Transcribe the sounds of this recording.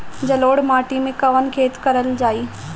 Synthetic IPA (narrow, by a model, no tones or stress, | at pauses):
d͡ʑɐloːɽmaːʈimẽkɐʋənkʰeːt̪kɐɾəld͡ʑaːiː